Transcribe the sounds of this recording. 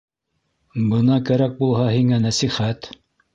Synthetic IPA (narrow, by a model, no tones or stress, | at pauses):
bɤnɑkæɾæk̚bulˠɦɑhiŋænæsiχæt̪